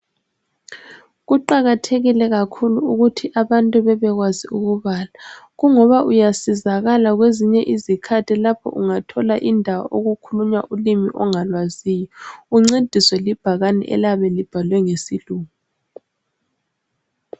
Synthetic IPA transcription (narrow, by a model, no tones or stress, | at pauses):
ɣuǃaɣatʰeɣilɛɣakʰuluuɣutʰiʔaβantʼuβɛβɛɣwaziuɣuβaːlaɣuŋɔβaʔujasizaɣalaɣweziɲɛʔizikʰatʰilapʰɔ̰ʔuŋatʰɔlaʔindʱawa̰ʔoɣukʰuluɲa̰ʔulimiʔɔŋalwaziːjɔuŋ͡ǀed̥ʱiswɛlib̥ʱaɣanɛ̰ʔɛ̰laβɛlib̥ʱalwɛŋesiluːŋ | u